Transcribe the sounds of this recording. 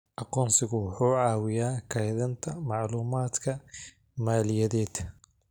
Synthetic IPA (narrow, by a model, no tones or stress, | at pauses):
ʔɑqɔːnsɪɣʊwʊħuːʕɑːwɪjaːkʰɐjðɐnt̪ʰɐmɑʕluːmaːd̪kʰɐ | maːlɪjɐðɛːd̪